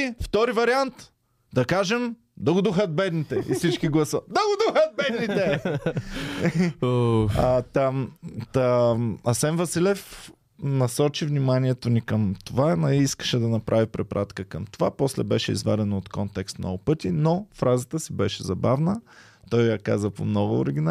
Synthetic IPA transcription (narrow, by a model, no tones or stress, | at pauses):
ft̪ɔɾivɐɾiant̪ | d̪ɐkaʒɛm | d̪ɐɡʊd̪uxət̪̚bɛd̪nit̪ɛʔḭsit͡ʃkiɡlˠɐsəd̪ɐɡod̪uxət̪̚bɛd̪nit̪ɛ | oat̪at̪əɐsɛnvɐsilɛf | nɐsɔt͡ʃivnimaniɛt̪onikəmt̪ovanɛiskə̥ʃɛd̪ɐnɐpɾʔavipɾɛpɾʔat̪kəkəmt̪ovapɔslɛ̰bɛʃɛ̰ḭzva̰d̪ɛnoot̪kɔnt̪ɛkst̪mnɔ̰ɡʊpɤt̪inofɾazət̪əsibɛʃɛzɐbavnə | t̪ɔjjakazəpo̰mnɔɡʊo̰ɾiɡʲin